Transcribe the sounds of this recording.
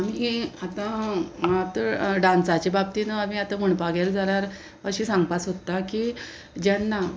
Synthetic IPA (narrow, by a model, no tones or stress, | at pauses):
amiat̪ã | at̪əɖãnsat͡ɕibab̚t̪iːnəamiat̪aməɳpaɡeld͡zaɾjaɾ | əɕiːsãŋɡpasɦot̪ːakiː | d͡ʑanːa